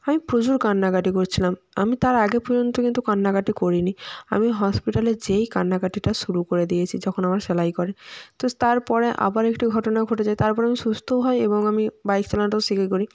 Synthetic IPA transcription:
amipɾud͡ʑuɾkanːakaʈikoɾt͡ɕʰilam | a̰mit̪aɾaɡepɔɾd͡ʑont̪okint̪ukanːakaʈikoɾinia̰miɦɔspiʈaled͡ʑejkanːakaʈiʈasuɾukoɾed̪ijet͡ɕʰid͡ʑɔkʰonamaɾsɛlajkɔɾet̪ot̪aɾpɔɾeʔa̰baɾekʈiɡʱɔʈonaɡʱoʈed͡ʑajt̪aɾpɔɾeamisust̪ʰoɦɔjebɔŋamibajksʰalanʈosikakoɾi

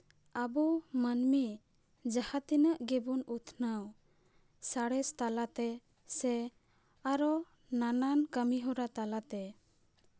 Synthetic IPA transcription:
abumənmi | d͡ʒahat̪inəʔɡɛbunut̪ʰnaw | saɽɛst̪alat̪ɛ | sɛ | aɾɔ | nanankəmiɦɔɾat̪alat̪ɛ

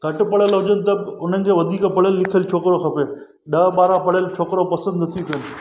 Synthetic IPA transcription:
ɡʱɐʈpɐɽəlɦʊd͡ʒənɪ̆t̪̬ɐbʊn̤ənɪ̆kʰeːʋɐd̪ʱiːkãpɐɽəlːɪkʰəlt͡ʃʰoːkɾokʰɐpeːn̆ | ɗɐːɓaːɾãpɐɽəlt͡ʃʰoːkɾopɐsə̃nd̪t̪ʰipʰən̆

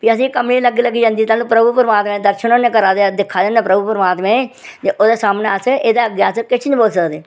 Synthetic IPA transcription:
piːəs̬ĩːkəmniːləɡiːləɡːiːd͡ʒãːnd̪iːt̪aːlũːpɾəbupəɾəmaːt̪mẽːd̪əɾʃənoːneːkəɾaːd̪ead̪ɪkʰːaːd̪ẽneːpɾəbupəɾəmaːt̪mẽːt̪eːʔoːd̪eːsaːmneːəsʔeːd̪eːəɡjaːskɪt͡ʃʰɪnːboːlsəkd̪eː

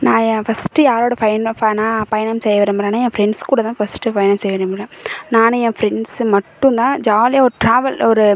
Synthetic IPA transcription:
nãːjɛ̃fɐsʈɯjaːɾoːɽɐfɐjnfɐnaːpɐjɐnɐmsɛjɐʋɐɾemblɐːnaːjɛ̃ːfɾɛɳskuːɽɐt̪ãːfɐsʈɯpɐjɐnɐmsɛjʋɐɾembɐlɐ̃naːnɯjɛ̃ːfɾɛɳɖsmɐʈːʊ̃nt̪ãːd͡ʒaːlɪjaɔɾɯʈɾaːʋɐlɔɾɯ

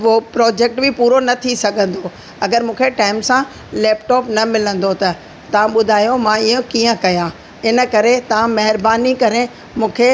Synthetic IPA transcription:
opɾɔːd͡ʑek̚ʈbʱɪpuːɾonɐt̪ʰisɐɡʱə̃nd̪o | ɐɡəɾmũːkʰeʈaːɪmsã | lɛːpʈɔːpnɐmɪlə̃nd̪ot̪ɐ | t̪ɐʋ̤ãɓʊd̪ʱaːjomãɪjõkiːə̃kɐjã | ɪnə̆kɐɾet̪ɐʋ̤ãmɐɦɪɾbaːnikɐɾẽ | mũːkʰe

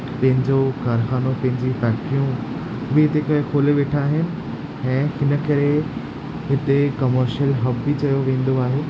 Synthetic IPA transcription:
pɐ̃ɦɪ̃ɲd͡ʑokaːɾxaːnopɐ̃ɦɪ̃ɲd͡ʑifɛːkʈijũ | bɪɦɪt̪ekɐkʰoːleʋeːʈʰaːɦɪnɪ̆ | ɛ̃ːhɪnə̆kɐɾe | ɦɪt̪ekɐməɾʃəlɦɐbbɪt͡ɕɐjoʋẽːn̆d̪oaːɦeː

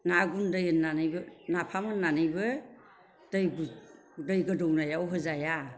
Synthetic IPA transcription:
naɡundɯjɯnːanɯjbɯnapʰamɯnːanɯjbɯ | d̥ɯjɡu | dɯjɡɯdɔwnajawɦɯzaja

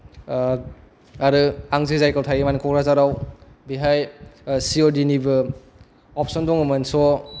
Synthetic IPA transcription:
aɾɯaŋzizajkawtʰajimanikʰɔkɾazaɾawbiɦajsiodinibɯ | ɔp̚ʰsɔndɔŋɯmɐnsɔ

